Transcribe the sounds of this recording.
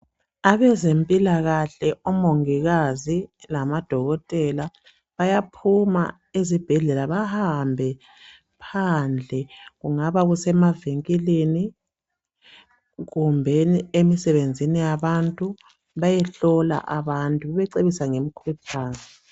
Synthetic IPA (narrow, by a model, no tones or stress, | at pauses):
aβɛzempʼilaɣaɬɛɔmoŋiɣazilamad̥ʱɔɣɔtʼɛla | βajapʰuma̰ | ezib̥ʱɛɮɛlaβahambʱɛ | pʰand͡ɮʱɛɣuŋaβaɣusɛmaviŋkʼileni | ɣumbʱeniemisɛβend͡zʱinijaβantʼu | βajɛɬɔla̰ʔaβantʼuβɛβɛǀeβisaŋem̩kʰwipʰaːzi